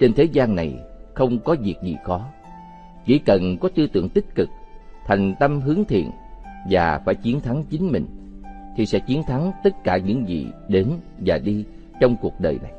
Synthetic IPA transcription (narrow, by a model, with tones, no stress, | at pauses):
t͡ɕe˧nt̪ʰe˨˦zaː˧nːa˨˩jxə˧wŋ͡mkɔ˨˦vi˨˩ək̚zḭ˨˩xɔ˨˦ | t͡ɕḭ˧˩kə˨˩nkɔ˨˦t̪ɨ˧t̪ɨ̰˧˨əŋt̪ï˦˥k̚kɨ˨˩k̚t̪ʰa˨˩jŋ̟t̪ə˧mɦɨ˨˦əŋt̪ʰḭ˧˨ənvaː˨˩faː˧˩jt͡ɕi˨˦ənt̪ʰa˨˦ŋt͡ɕï˨˦ŋ̟mï˨˩ŋ̟ | t̪ʰi˨˩sɛ̰˧˥t͡ɕi˨˦ənt̪ʰa˨˦ŋt̪ə˦˥t̚kaː˧˩ɲɨ̰˧˥ŋzḭ˧˨ɗe˨˦n | vaː˨˩ɗi˧ | t͡ɕɔ˧wŋ͡mku˨˩ək̚ɗəː˨˩jna̰˨˩j